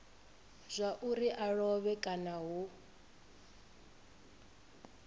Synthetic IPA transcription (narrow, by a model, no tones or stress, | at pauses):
zʷaʔuɾiʔaɺɔβɛkʼanaɦu